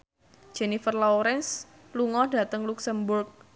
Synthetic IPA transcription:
d͡ʒ̥ɛnifərlɔɾɛns | luŋɔhd̥a̤t̪əŋluksəmburk̚

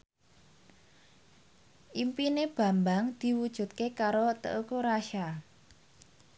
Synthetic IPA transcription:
ʔimpineb̥a̤mbaŋd̪̥i̤wud̥ʒ̥ṳt̪̚kekaɾot̪ə̰ʔukuɾaʃa

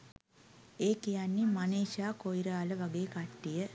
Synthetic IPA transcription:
eːkijanːimaneːʃaːkojɾaːləʋaɡeːkaʈːijə

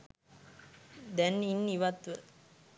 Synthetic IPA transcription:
d̪ɛninːiʋat̪ʋə

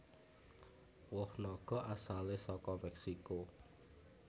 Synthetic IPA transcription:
wʊhnɔɡ̥ɔ̤ʔasalesɔkɔmɛksiko

